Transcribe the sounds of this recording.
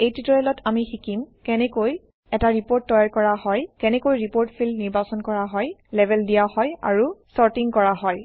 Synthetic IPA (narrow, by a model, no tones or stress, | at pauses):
ejtitɔlɛlɔtʰamixikimkɛnɛkoj | ɛtaɹipoɹtːɔjaɹkɔɹaɦɔjkɛnɛkojɹipoɹtpʰilniɹbasɔnkɔɹaɦɔjlɛbʱɛldijahɔja̰ɹusɔɹtiŋkɔɹaɦɔj